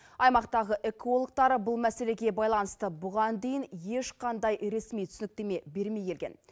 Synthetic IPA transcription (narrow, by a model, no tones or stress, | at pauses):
ɑjmɑqt̪ɑʁəʔe̞kʰo̞lˠok̚t̪ɑɾəbʊlˠmæse̞le̞ɡʲe̞bɑjlˠɑnəst̪əbʊʁɑnd̪ejɪnje̞ʃqʰɑnd̪ɑjɾe̞smijt̪ʰʏsɪnɪk̚t̪e̞me̞be̞ɾmejkʲe̞lɡʲe̞̰n